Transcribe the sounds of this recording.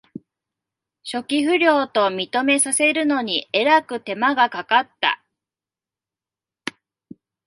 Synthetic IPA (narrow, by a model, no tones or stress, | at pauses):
ɕo̞kʲiɸɯ̟ɾʲo̞ːt̪o̞mʲit̪o̞me̞sase̞ɾɯ̟no̞ɲ̟ie̞ɾakɯ̟t̪e̞maɡakakat̪ːa̰